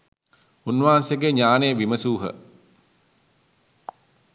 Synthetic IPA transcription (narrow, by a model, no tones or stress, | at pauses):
unːʋanseɡeɲaːnejəʋiməsuːɦə̰